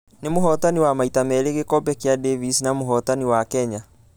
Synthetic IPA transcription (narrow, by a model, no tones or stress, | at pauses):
nemoɦɔtaniwamaitamɛɾeɣekɔbɛkeadevisinamoɦɔtaniwakɛɲa